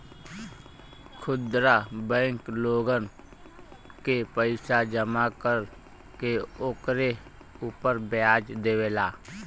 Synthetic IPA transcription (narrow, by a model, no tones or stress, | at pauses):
kʰʊd̪ɾabɛ̃ːŋkloːɡən | kepəɪsad͡ʒəmakəɾ | keoːkɾe | upəɾbaːd͡ʒd̪eːʋeːlaː